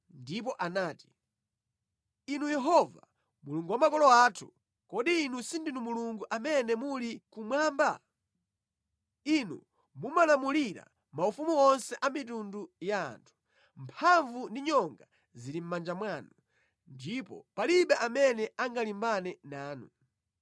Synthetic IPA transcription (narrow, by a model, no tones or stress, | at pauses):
ndip̬ɔʔanaːti̥ | inujɛɦɔva̰ | muluŋɡuwamakɔlɔaːtʰu̥̰ | kɔɗiːnusindinumuluŋɡuʔamɛnɛmulikumwaːmba | inṵ | mumalamuliɾa̰ | maufumuɔnsɛʔamit̬unduja̰ːntʰu̥ | mpʰaɱvundiɲɔŋɡa | ziɾim̩mand͡ʒamwaːnu | ndipɔ̰paliɓɛʔamɛnɛaŋɡalimbanɛnaːnu